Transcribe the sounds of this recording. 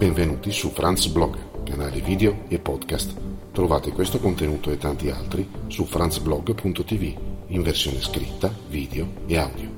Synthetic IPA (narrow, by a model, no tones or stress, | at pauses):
beɱvenuːt̪isufɾʔant̪sblɔɡkanaːliviːd̪eoepːɔd̪kast̪t̪ːɾovaːt̪ekwest̪okont̪enuːt̪oet̪ːant̪ia̰lt̪ɾisufɾant̪sblɔɡpunt̪ot̪iviiɱversjo̰ːneskɾḭt̪ːaviːd̪eoeawd̪jo